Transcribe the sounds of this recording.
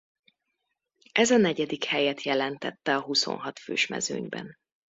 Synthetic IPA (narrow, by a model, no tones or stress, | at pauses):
ʔɛzɒnɛɟɛd̪ikhɛjɛt̪jɛlɛnt̪ɛt̪ːɛɒɦuso̰nɦɒt̪føːʃmɛ̰zøːɲbɛ̰n